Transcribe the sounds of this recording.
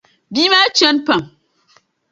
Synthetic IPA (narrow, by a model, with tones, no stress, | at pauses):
biː˦ma˦t͡ʃɐ˦npɐ˨m